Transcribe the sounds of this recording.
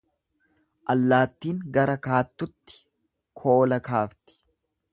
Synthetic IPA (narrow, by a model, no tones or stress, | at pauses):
ʔɐlːaːt̪ːiːŋɡɐɾɐkaːt̪ːʊt̪ːɪ̥ | kʰo̞ːlɐkaːft̪ɪ̥